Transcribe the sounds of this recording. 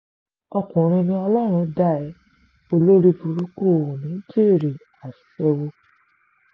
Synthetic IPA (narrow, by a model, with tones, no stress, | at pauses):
ɔ˧kũ˨ɾ̃ĩ˧nĩ˧ɔ˧lɔ˦˨ɾ̃ũ˧da˦˨ɛ˨˦ | o˧lo˦ɾi˦fu˧ɾu˦ko˦˨nĩ˨˦d͡ʒe˦˨ɾi˨ | a˨sɛ˧wo˧